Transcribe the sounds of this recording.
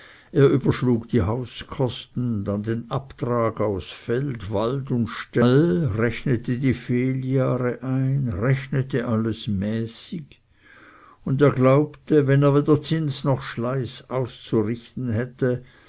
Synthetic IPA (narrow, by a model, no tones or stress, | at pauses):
ʔeːɐʔyːbɐʃluːɡd̥ihaʊskʰɔstn̩dandeːnʔaptʁaːɡaʊsfɛltvaldʊntʃtalʁɛçnətʰədiːfeːljaːʁəʔaɪnʁɛçnətəʔaləsmɛːsɪɡ | ʊndeːɐɡlaʊptəvɛneːɐveːdɐt͡sɪnsnɔxʃlaɪsaʊst͡suʁɪçtn̩ɦɛtə